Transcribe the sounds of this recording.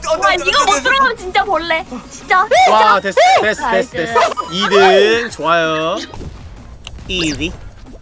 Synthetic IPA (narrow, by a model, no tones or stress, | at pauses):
aɲiɡʌmot͈ɯɾʌndot͡ɕint͡ɕ͈amoɭːet͡ɕint͡ɕ͈awat̪westes͈tes͈tes͈idɯnt͡ɕowajo | iɾi